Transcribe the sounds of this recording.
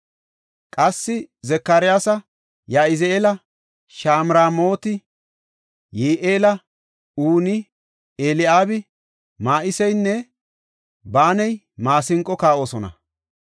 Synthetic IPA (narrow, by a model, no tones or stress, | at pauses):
kʼɐsːɪzɛkːaːɾɪjaːsɐ | jaːɪzeːlɐ | ʃaːmɾaːmo̞ːt̪ɪ | jeːʔeːlɐ | uːnɪ | eːlɪaːbɪ | maːʔɪsɛjnːɛ | baːnɛj | maːsɪŋkʼːɔkaːʔoːsɔnɐ̰